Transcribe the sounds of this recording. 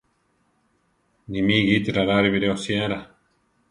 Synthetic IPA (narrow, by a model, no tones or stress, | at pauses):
nimiɣit̪iɾaɾaɾiβiɾeosjaɾa